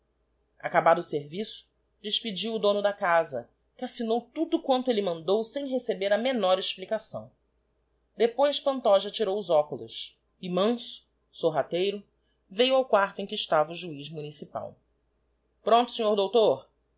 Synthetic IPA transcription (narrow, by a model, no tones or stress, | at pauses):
a̰kabad̪ʊseɾvisʊ̥ | d͡ʒɪʃpid͡ʒiwʊd̪õnʊd̪ɐkazɐ̰ | kɪasinowt̪ud̪ʊkwɐ̃nt̪ʊelɪmɐ̃nd̪owsẽj̃ɦesebeɾɐmenɔɾeʃplikasɐ̰̃w̃ | d̪epojspɐ̃nt̪ɔʒɐt͡ʃiɾowʊzɔkulʊ̰s | ɪmɐ̃sʊ̥ | soɦat̪ejɾʊ | vejwawkwaɾt̪ʊẽkɪɪʃt̪avɐuʒuiʒmunisipa̰w | pɾõnt̪ʊ̥sẽɲoɾd̪owt̪oɾ